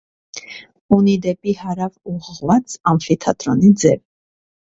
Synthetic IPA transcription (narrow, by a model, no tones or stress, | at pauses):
unid̪ɛpʼihɑɾɑvuʁəʁvat͡sʰɑnfit̪ʰɑt̪ʼɾɔnid͡zɛv